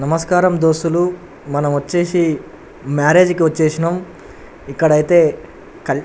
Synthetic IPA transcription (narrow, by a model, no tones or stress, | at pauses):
nɐmɐskaːɾɐmd̪oːsulu | mɐnɐmʋɐt͡ʃːe̞ːsi | maːɾe̞ːd͡ʒkiʋɐt͡ʃːeːsinɐm | ikːɐɽɐjit̪e̞ː | kɐ